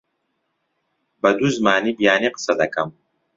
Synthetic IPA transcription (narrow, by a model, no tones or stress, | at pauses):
bɐd̪uzmaːniːbijaːniqɨ̥sɐd̪ɐkɐm